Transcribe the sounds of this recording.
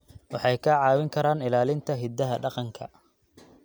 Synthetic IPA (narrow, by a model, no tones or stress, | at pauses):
wɑħɑjkʰɐʕɑːwɪŋkʰɐɾaːnɪlaːlɪnt̪ʰɐɦɪd̪ɐɦɐɖɑqɑŋkʰɐ̰